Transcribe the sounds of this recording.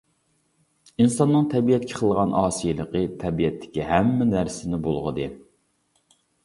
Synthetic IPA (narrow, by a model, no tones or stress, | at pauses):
insɑnːɨŋt̪ʰɛbijɛt̪̚kʲʰɪ̥qʰəlˠʁɑnʔɑːsijɪlˠəqət̪ʰɛbijɛt̪ʰːɪ̥kʲiɦɛmːɛnæɾsɪnɪbolˠʁəd̪ɨ